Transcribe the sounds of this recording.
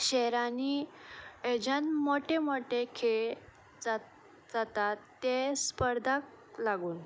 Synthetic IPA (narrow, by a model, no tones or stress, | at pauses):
ɕɛɾani | ed͡ʑanmoʈemoʈekʰeɭ | d͡za | d͡zat̪at̪ːespəɾd̪ʱak̚ | laɡuːn